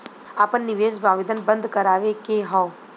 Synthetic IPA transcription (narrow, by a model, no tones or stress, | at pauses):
aːpənːɪʋeːsbʱaːʋɪd̪ənbə̃nd̪kɐɾaːʋekeɦɔ̃o